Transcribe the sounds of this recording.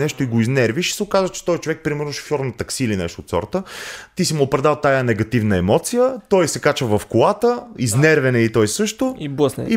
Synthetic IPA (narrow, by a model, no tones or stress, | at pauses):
nɛʃt̪ʊiɡoiznɛɾviʃi̥sɛokazvət͡ʃɛ̥t̪ɔjt͡ʃovɛk̚pɾimɛɾnʊʃo̥fʲjɔɾnɐt̪ɐksiːlinɛ̰ʃt̪oːt̪sɔ̰ɾt̪ət̪isimʊːpɾɛd̪alˠt̪ajanɛɡɐt̪ivnəɛmɔt̪sijət̪ɔjsɛkat͡ʃəvɐfkʊlat̪əiznɛɾvɛnɛit̪ɔjsɤʃt̪oi